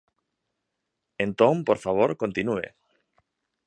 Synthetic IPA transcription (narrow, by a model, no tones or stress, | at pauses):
ẽnt̪õmpoɾfaβ̞oɾkont̪inuḛ